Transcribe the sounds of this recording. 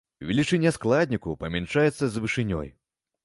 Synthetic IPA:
vʲɛlʲit͡ʂɨnʲɛsklˠad̪ʲnʲikupɐmʲɛnt͡ʂajɛt̪sːɐzvɨʂɨnʲɔ̰j

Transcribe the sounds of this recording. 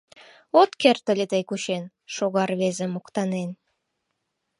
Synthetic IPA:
ot̪kert̪əlʲet̪əjkuɕen | ʃoɣɑrβezemokt̪ɑnen

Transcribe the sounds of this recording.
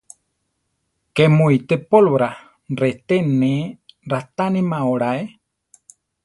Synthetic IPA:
kemuit̪epolβɾa | ret̪eneɾat̪animãoɽae

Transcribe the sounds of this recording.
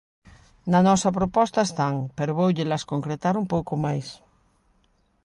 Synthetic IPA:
nanɔsapɾopɔst̪aest̪aŋpeɾoβowʎelaskoŋkɾet̪aɾumpowkomajs

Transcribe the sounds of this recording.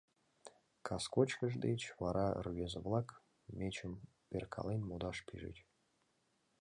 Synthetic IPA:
kʰɑskot͡ɕkʲəʐd̪et͡ɕvɑɾɑ̰rɥʲezəvlˠɑk | mʲet͡ɕəm | pʲerkʰɑ̰lˠenʲmod̪ɑʂpʰʲiʐɨ̰tʲ

